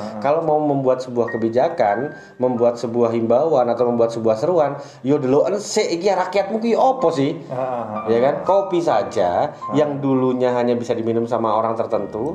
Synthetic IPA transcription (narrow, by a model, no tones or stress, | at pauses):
kalowmauməmbuat̪̚səbuahkəbid͡ʒakan | məmbuat̪̚səbuaɦimbawanat̪awməmbuat̪səbuahsəɾuan | jodəloʔənseʔɡiaɾakiat̪̚muk̬ɪopɔsɪh | jakankopisad͡ʒajaŋduluɲaɦaɲabisadiminʊmsamaoɾaŋt̪ərt̪ənt̪u